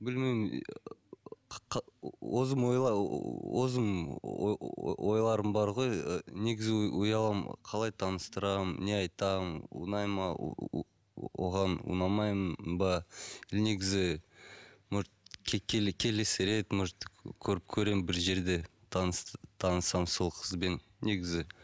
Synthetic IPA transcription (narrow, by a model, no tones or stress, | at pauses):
bɪlmem | qʰwozəmwo̞jlˠɑwozəm̰ | ojlˠɑɾəmbɑɾʁo̞jne̞ɡʲɪzɪujɑlˠɑmqʰɑlˠɑjt̪ʰɑnəst̪əɾɑmne̞ɑjt̪ɑmṵnɑjmɑ̰ | woʁɑnṵnɑmɑjmənbɑne̞ɡʲɪzɪ | mʊɾt̪̚kʰʲkʲʰekʲʰe̞lesɪɾe̞t̪mʊɾt̪kʲʰɵɾɪp̚kʲʰɵɾe̞mbɪɾʒe̞ɾd̪e̞ | t̪ʰɑnst̪ʰɑnəsɑmso̞lˠqʰə̥zbe̞nːe̞ɡʲɪzɪ